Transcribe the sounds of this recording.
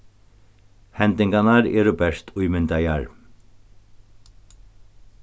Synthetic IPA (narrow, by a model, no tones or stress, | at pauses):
hɛnd̪ɪŋɡanaɾɛ̰ːɾʊbɛʂt̪ʰʊjmɪnd̪aja̰ɾ